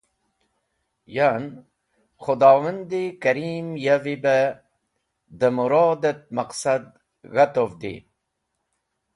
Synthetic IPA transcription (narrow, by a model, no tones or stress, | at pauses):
jan | χʊd̪ɑːwənd̪ikaɾiːmjavibə | d̪əmuɾɑːd̪ət̪̚maqsad̪ | ɣat̪ovd̪ḭ